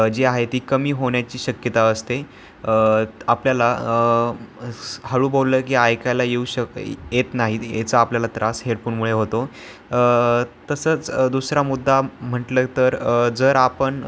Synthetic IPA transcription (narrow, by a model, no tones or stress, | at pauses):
d͡ʑeaɦet̪iːkəmiːɦoɳjat͡ɕiːɕəkjət̪aəst̪e | apljalaə | həɭuːbolːəːkiːajkalajeuɕəkjet̪naɦijḛt͡səapljalat̪ɾasɦeɽpuːɳmuɭeɦot̪o | t̪əsəːt͡sd̪usɾamud̪ʱːam̤əʈlət̪əɾd͡zəɾapəɳ